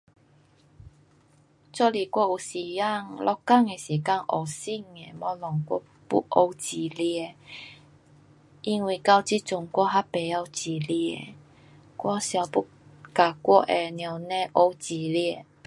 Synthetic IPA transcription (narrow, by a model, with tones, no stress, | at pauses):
t͡sɔ˥˧˨li˨˩kwɔ˧˦u˨˩si˨˩ja˥˧ŋlʔɔ˧kːa˥˧˨ŋe˧si˨ka˥˧˨ŋʔɔ˨˩si˥˧˨ŋe˨mɔ˧˦lɔ˨˩ŋkʷɔ̰˧ | pṵ˦ʔo˧wt͡ɕi˨˩li˧e˧ | i˧nwi˨˩ka˧wt͡ɕi˦˥t͡sʊ˧˩ŋkwɔ˥˧˦ɦa˦pe˨a˧wt͡ɕi˨˩li˧˩ḛ˧˨ | kwɔ˧˦sja˧wpu˦ | ka˨kwɔ˥˦ʔe˨nja˨˧˩wnẽ˧ʔo˧t͡ɕi˨˩li˧e˧˨